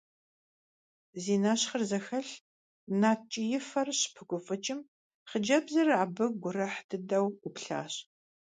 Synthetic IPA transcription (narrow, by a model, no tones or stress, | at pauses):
ziːnaɕχərzɐxɐɬ | naːt͡ʃʼɪjɪfɐrɕpʰɨkʷʊfʼɨt͡ʃʼɪm | χəd͡ʒɐbzɐrʕabɨɡʷʊɾɐħdʰɨdɐwɡʷʊpɬa̰ːɕ